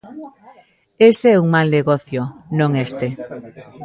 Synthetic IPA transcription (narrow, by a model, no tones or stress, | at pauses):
eseɛuŋmalneɣɔθjonõŋest̪e